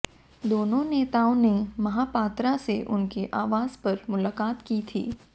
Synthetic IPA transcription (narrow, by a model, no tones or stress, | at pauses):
d̪oːnõneːt̪aːõnemɐɦaːpaːt̪ɾaseʔʊ̰nkeʔaːʋaːzpɐɾmʊlaːkaːt̪kit̪ʰḭː